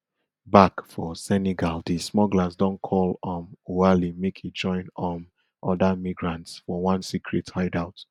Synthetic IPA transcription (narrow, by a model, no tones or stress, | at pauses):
bakfɔsɛneɡaldismɔɡlasdɔ̃nkʰɔlɔ̃moalimekʰit̚d͡ʒɔ̃ɪ̃nɔ̃n | ʔɔdamiɡɹãntsfɔwãnsikʰɹitʰhaɪdaʊt